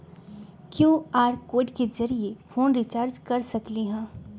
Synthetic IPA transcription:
kjõːaːɾkoːɪɖkezɐɾiefoːnɾit͡ʃaːɾd͡ʒkɐɾsɐkliɦɛ̃ː

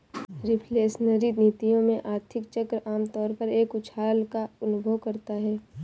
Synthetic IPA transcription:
ɾɪpʰleːsnəɾid̪niːt̪ijõmẽʔaːɾt̪ʰɪkt͡ʃəkɾəʔaːmt̪ɔːɾpəɾeːkʊt͡ʃʰaːɾlkaʊnʊbʱəʋkɐɾt̪aɦɛː

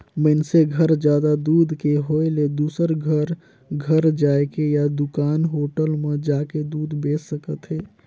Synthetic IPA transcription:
mənseɡʱəɾd͡ʒjad̪ad̪ud̪ʱkeɦoeled̪uːsəɾɡʱəɾ | ɡʱəɾd͡ʒaekejad̪ukaːnɦoʈəlmed͡ʒaked̪uːd̪beːsːəkət̪ɦeː

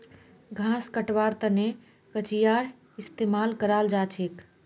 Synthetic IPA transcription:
ɡʱãskəʈʋaɾt̪əne | kət͡ʃijaɾ | ist̪emalkəɾald͡ʒat͡ʃʰek

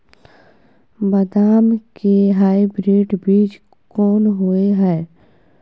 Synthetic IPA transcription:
bəd̪aːmkeɦaːibɾeːʈbiːt͡ʃ | kɔːnɦoeɦɛː

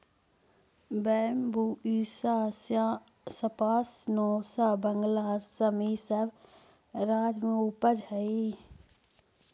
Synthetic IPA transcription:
bɛːmbuːiːsasjã | səpaːsnɔːsaːbəŋɡlaːsəmisəb | ɾaːd͡ʒmẽupəd͡ʒhəi

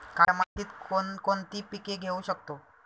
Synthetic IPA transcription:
kaɾmat̪iːt̪konkont̪iːpikeɡʱeuɕək̚t̪o

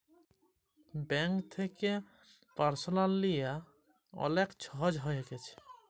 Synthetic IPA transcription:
bɛŋkt̪ʰeke | paɾsolanlija | ɔ̰lekt͡ɕʰɔɦɔd͡ʑɦɔjeɡet͡ɕʰe̥

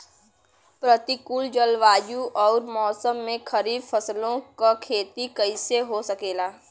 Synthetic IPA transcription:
pɾət̪ikuld͡ʒəlʋaːjuʔɔːɾmɔːsəmːẽkʰɐɾiːd̪fʰɐslõkakʰeːt̪ikɐɪseɦosɐkeːlaː

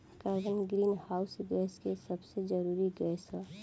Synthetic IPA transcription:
kaɡənɡɾiːnhaːʊsɡɛːskesəbsed͡ʒəɾuːɾiɡɛsə

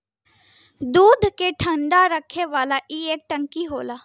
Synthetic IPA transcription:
d̪uːd̪ʱkeʈʰə̃ɳɖaɾəkʰːeʋaːlaʔiːeːk̚ʈə̃ŋkiɦoːlaː

